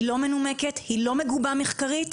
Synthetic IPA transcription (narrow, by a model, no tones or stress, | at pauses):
lo̞me̞nume̞ke̞t̪hilo̞me̞ɡubameχkaʁit